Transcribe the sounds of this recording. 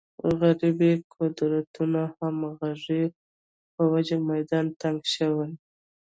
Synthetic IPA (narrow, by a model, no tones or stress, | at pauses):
ɣaɾibikʰod̪ɾat̪unahamɣaʐi | pəwad͡ʒamajd̪ɑnt̪aŋɡʃəwaj